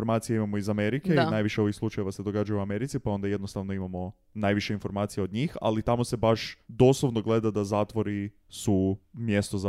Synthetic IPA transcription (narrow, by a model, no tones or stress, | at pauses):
oɾmat̪sijeimamoizame̞ɾikeinajʋiʃeo̞ʋixslˠut͡ʃajeʋased̪o̞ɡad͡ʒajuame̞ɾit̪sipao̞nd̪aje̞d̪no̞st̪aʋno̞imamo̞ | najʋiʃeinfo̞ɾmaːt̪sijeo̞d̪ɲiːxa̰lit̪amo̞se̞baʃd̪o̞slˠoʋnoɡle̞d̪ad̪azaːt̪ʋo̞ɾi | sumje̞st̪o̞za